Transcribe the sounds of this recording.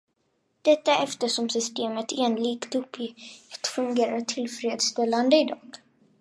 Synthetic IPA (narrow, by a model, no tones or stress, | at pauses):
d̪̥ɛt̪ːaɛft̪əʂɔmsʏst̪eːmət̪ʰeːnliːɡt̪ɵpʰːjit̪fɵŋɡeːɾaʈʰɪlfɾeːd̪st̪ɛlːand̪əɪd̪ɑːɡ̥